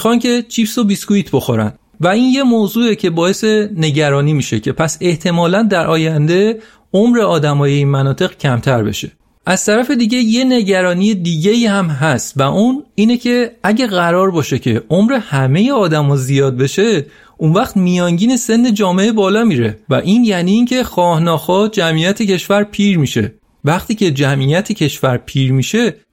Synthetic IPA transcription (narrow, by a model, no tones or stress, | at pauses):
xɒnke̞t͡ʃʰiːpsobiskuiːt̪ʰbo̞xoɾæ̰n | væinje̞moːzuːecʰe̞bɒːje̞sene̞ɟæɾɒːniːmiʃe̞cʰe̞pʰæse̞ht̪ʰe̞mɒːlænd̪æɾʔɒːjænd̪e̞ | omɾe̞ɒːd̪æmɒːje̞iːnmænɒːt̪ʰe̞ɣcʰæmt̪ʰæɾbe̞̰ʃe̞̥̰ | ʔæz̥t̪ʰæɾæfe̞d̪iːɟe̞je̞ne̞ɟæɾɒːnijed̪iːɟe̞iːhæmɦæst̪væʔuniːne̞cʰe̞æɟæɣæɾɒːɾbɒːʃe̞cʰe̞̰omɾe̞hæme̞je̞ɒːd̪æmɒːzijɒːd̪̚be̞ʃe̞ | ʔunvæχt̪mijɒːŋɟiːne̞se̞nːe̞d͡ʒɒːme̞ʔebɒːlɒːmiːɾe̞̰væ̰ʔiːnjæːniːŋcʰe̞xɒːhnɒːxɒːd͡ʒæmijæt̪ʰe̞cʰe̞ʃvæɾpʰiːɾmiʃe̞̰ | væχt̪ʰiːcʰe̞d͡ʒæmʔijæt̪ʰecʰe̞ʃvæɾpʰiːɾmiʃe̞